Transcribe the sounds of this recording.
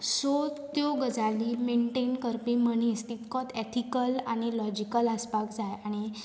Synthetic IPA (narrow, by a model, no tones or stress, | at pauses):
sot̪joɡəd͡zaliːmeɳʈenkəɾpiməñiːst̪it̪kɔt̪ʰet̪ʰikəlaɽ̃ilɔd͡ʑikələspakd͡zajaɽ̃i